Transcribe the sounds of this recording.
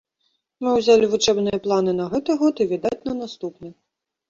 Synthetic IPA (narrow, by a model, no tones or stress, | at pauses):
mɨwzʲalʲivut͡ʂɛbnɨjɐplˠanɨnɐɣɛt̪ɨɣɔt̪ivʲid̪at͡sʲnɐnast̪upnɨ